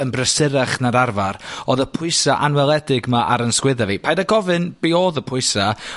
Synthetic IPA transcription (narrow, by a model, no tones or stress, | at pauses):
ənbrəsɪɾaχnaɾarvaroðəpʰʊɨsaʔanwɛlˠɛdɪɡmaʔaɾənskwɪðavipʰaːjdaɡɔvɨnb̥eoːðəpʰʊɨsa